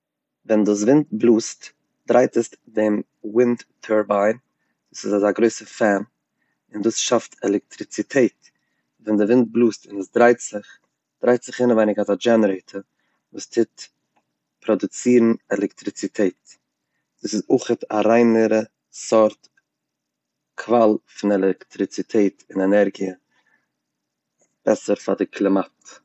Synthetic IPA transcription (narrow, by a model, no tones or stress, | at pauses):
vɛnduːs̬vɪnt̚blˠuːst | d̥ɾaɪtəsdɪm | wɪnttʰːəɹbaɪn | d̥uːsɪzazaɡɾoɪsəfɛn | ɪnduːsʃaftɛlˠɛk̚tɾɪt͡sitʰeɪt | vɛndɪvɪnt̚blˠuːstɪnɛsdɾaɪtɪχ | d̥ɾaɪtz̥ɪχɪnəvaɪnɪɡatad͡ʒɛnəɾeɪtʰə | vuːstʰɪt | pɾɔdʊt͡siːɾn̩ɛlˠɛktɾɪt͡sitʰeɪt | d̥uːsɪzʊχətʰaɾaɪnəɾə | sɔɾt | kʰvalˠfɪnɛlɛktɾɪt͡sitʰeɪtɪnɛnɛɾɡiə | b̥ɛsəɾfadɪkʰlˠɪmat